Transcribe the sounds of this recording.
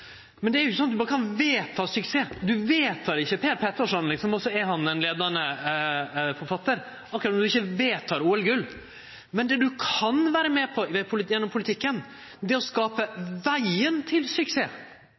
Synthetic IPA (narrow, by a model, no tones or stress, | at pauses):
mɛnd̪ɛæɾjʊɪçəsɔnɑbɑːɾəkʰɑnʋeːt̪ʰɑːsʉkseːd̪ʉʋeːt̪ʰɑːɾɪçːəpʰeːɾpʰɛt̪ːəʂɔnlɪksɔmɔsɔɛɾɦɑnɛnleːd̪ɑɳə | fɔɾfɑt̪ːəɾ | ɑkːɾɑt̪ɔmd̪ʉɪçːəʋeːt̪ʰːɑːɾuːɛlɡʉlː | mɛnd̪ɛd̪ʉkʰɑnʋæːɾəmɛpʰɔɛpʰʊlɪjɛnːɔmpʰʊlɪt̪ʰɪkːən | d̪ɛæɾɔskɑːpəʋæɪənt̪ʰɪlsʏkseː